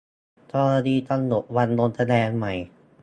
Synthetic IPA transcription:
t̪ʰɔː˧˩a˧diː˧˩t̪ɔ˥˩ŋno˨˩t̪̚wa˧nlo˧nt̪ʰa˧lɛː˧nma˧˩j

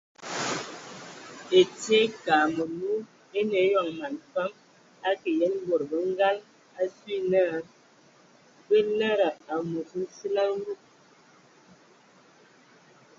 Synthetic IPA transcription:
e˨te˦kaː˨mə˨lu˦ | e˦ne˨˦ja˨ŋma˨nfa˦m | a˦ke˨jɛ˦n˦ɡo˨ɾbə˨˦ŋ˦ɡa˦l | a˦sɥi˦na˦˨ | bə˦na˦ɾa˨a˨mu˨sə˦n˦si˦la˦ŋ˦ɡu˦˨k̚

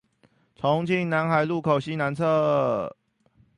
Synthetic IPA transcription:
t͡sʰɔ˨˧˦ŋt͡ɕʰi˥˩ŋna˧˥nxa˨˩ɪlu˥˨kʰo˨˩ɕi˦na˧˦nt͡sʰɤ˥˧

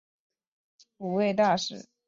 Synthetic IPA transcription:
pu˨˩we˥˧ɪt̪a˥˩ʂɻ̩˨˩˦

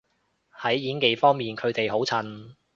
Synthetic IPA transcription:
hɐ˨˥jːiː˨˥nke˨˧jfɔː˥ŋmiː˨nkʰɵ˨˧ɥt̪e˨jɦo˨˥wt͡sʰɐ˨˧˩n

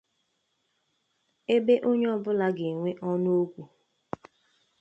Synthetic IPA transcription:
e˦be˦ʔo˦ɲ˦ɔ˦bʊ˦la˦ɡe˨ŋʷe˦ʔɔ˦no˦kʷu˨

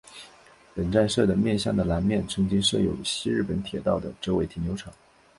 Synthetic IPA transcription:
pə˨˩nʈ͡ʂa˥˧nʂɤ˥˩d̪ə˩mjɛ˥˧nɕjɑ˥˩ŋd̪ə˩la˧˥nmjɛ˥˩nʈ͡ʂʰɤ˧˥ŋt͡ɕi˥ŋʂɤ˥˩jo˨˩ʊɕi˥ɻ̩˥˩pə˧˥nt̪ʰjɛ˨˩t̪ɑ˥˩ʊd̪ə˩ʈ͡ʂo˥ʊwe˧˥ɪt̪ʰi˨˥˩njo˧˥ʊʈ͡ʂʰɑ˨˩˦ŋ

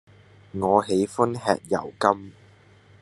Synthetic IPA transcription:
ŋɔː˨˧he˨˥jfʊ˥nhɛ̰ː˧k̚jɐ˨˩wkɐ˥m

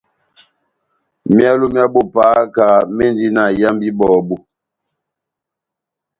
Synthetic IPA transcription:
mja˦lu˦mja˦bo˦paː˨˦ka˨me˦ndi˦na˦˨ja˦mbi˦bɔː˨bu˦

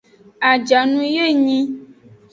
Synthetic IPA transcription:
a˨d͡ʒa˨nũ˦je˦ɲĩ˦

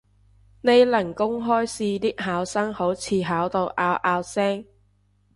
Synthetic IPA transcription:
ne˨˧jlɐ˨˩ŋkʊ˥ŋɦɔː˥jsiː˧t̪iː˥k̚haː˨˥wsɐ˥ŋho˨˥wt͡sʰiː˨˧ɦaː˨˥wt̪o˧wʔaː˧wʔaː˧wsɛː˥ŋ

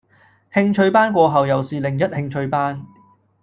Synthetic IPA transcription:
hɪ˧ŋt͡ʃʰɵ˧ɥpaː˥nkʷɔː˧ɦɐ˨wjɐ˨wsiː˨lɪ˨˩ŋjɐ˥t̚hɪ˧ŋt͡ʃʰɵ˧ɥpaː˥n

